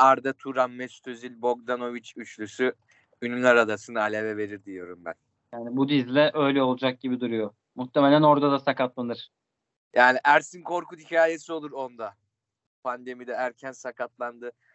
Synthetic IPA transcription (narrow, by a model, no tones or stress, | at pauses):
aɾd̪at̪ʰuɾammɛst̪ʰøzilʲbo̞ɡ̚d̪ano̞vit͡ʃyt͡ʃlʲysy | ynylʲaɾad̪asɯnɯalʲevɛve̞ɾiɾd̪ijo̞ɾumbæ̰n | jaːnibud̪izlʲɛʔø̞jlʲɛo̞lˠud͡ʒak̚ɟibid̪uɾujo | muxt̪ʰːeme̞lʲæno̞ɾd̪ad̪asakat̪lˠanɯɾ̥ | jaːniʔæɾsinkʰo̞ɾkud̪icʰaːje̞sio̞lˠuɾo̞nd̪a | pʰand̪e̞mid̪ɛæɾcʰænsakʰat̪lˠand̪ɯ